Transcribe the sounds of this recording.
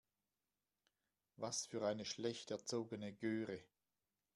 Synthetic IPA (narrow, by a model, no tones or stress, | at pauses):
vasfyːɐaɪnəʃlɛçtɛɐt͡soːɡənəɡøːʁə